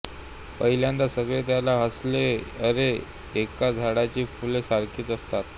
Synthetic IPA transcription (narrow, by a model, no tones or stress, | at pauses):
pəɦiljãnd̪asəɡɭet̪jalaɦəsleəɾeː | kad͡zʱaɽat͡ɕiːfulesaɾkʰiːt͡səst̪at̪̚